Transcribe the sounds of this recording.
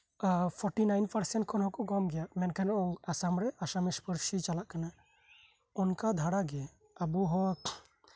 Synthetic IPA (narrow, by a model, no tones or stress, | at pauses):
pʰɔɾʈinajnpʰaɾsɛnʈ̚kʰɔnɦɔ̃kɔkɔmɡɛjaʔmɛnkʰanɔʔɔasamɾɛʔasamispəɾsit͡ʃalaʔkana | unkad̪ʱaɽaɡɛ | abuɦɔ